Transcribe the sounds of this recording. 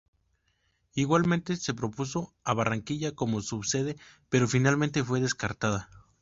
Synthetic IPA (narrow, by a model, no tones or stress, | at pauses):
iɣwalmẽnt̪e̞se̞pɾopuso̞aβaraŋkiʝako̞mo̞suβse̞ðe̞pe̞ɾo̞finalment̪e̞fwe̞ðe̞skaɾt̪aða